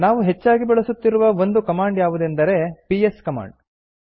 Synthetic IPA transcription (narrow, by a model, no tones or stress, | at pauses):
naːʋuɦe̞t͡ʃːaːɡibɛɭɐsut̪ːiɾuʋɐo̞nd̪ukɐmaːɳɖjaːʋud̪end̪ɐɾe̞pijeskɐma̰ːɳɖ